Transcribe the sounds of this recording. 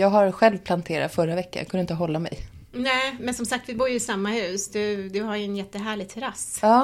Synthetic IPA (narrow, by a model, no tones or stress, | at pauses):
jɑːɡɦaɾɧɛlvpʰlant̪ʰeːɾa̰t̪fœɾavɛkːa̰kʰɵnɪnt̪əɦɔlːamɛ̰j | nɛːmɛnsɔmsakt̪vɪbuːɾjɵɪsamːahʉ̟ːsd̪ɵd̪ɵɦaɾjɵɛnjɛt̪ːəɦæːɭɪɡ̚t̪ʰɛɾasɑː